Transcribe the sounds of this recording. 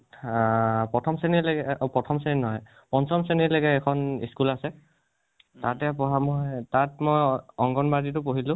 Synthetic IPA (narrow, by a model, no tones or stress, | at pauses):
pɹɔtʰɔmsenilɡɛpɹɔtʰɔmseninɔɦɔj | pɔnsɔmsenileɡɛːkʰɔnḭskulasɛ | tatɛapɔɦamɔjtatmɔjɔŋɡɔnbadit̬ʊpoɦilʊ̃